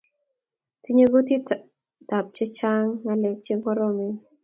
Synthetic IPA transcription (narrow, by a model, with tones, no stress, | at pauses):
ti˦ɲe˦ɡo˦ti˦ | ta˨p̚t͡ʃe˦t͡ʃa˦ŋːa˨lɛ˨k̚t͡ʃe˦ŋɔ˦ɾɔ˦mɪ˦